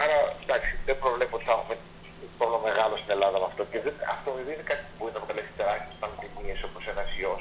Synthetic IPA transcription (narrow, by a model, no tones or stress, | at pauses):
ɐɾɐd̪ɐksi̥ðebɾo̞vle̞poot̪i̥θɐexume | p̪olome̞ɣɐlo̞st̪ine̞lɐðɐmɐft̪o̞ceðenɐ̰ft̪oiviinekɐt̪i̥puinɐpɾok̪alesi̥t̪eɾɐsspɐnt̪inieso̞posenɐsios